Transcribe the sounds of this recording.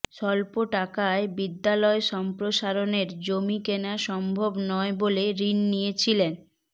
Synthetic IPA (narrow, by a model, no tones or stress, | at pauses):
ʃɔlpoʈakaebid̪ːalɔeʃɔmpɾoʃaɾoneɾd͡ʑomikenaʃɔmbʱobnɔeboleɾinːijet͡ɕʰilen